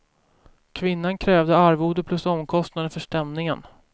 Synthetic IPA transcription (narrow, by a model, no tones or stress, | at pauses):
kʰvɪnːankʰɾɛːvd̪əaɾvuːd̪əpʰlɵsɔmkʰɔst̪nad̪əfœʂʈɛmnɪŋən